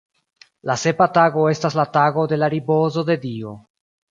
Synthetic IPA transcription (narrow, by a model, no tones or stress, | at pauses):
lase̞pataɡo̞e̞staslataɡo̞de̞laɾibo̞zo̞de̞dio̞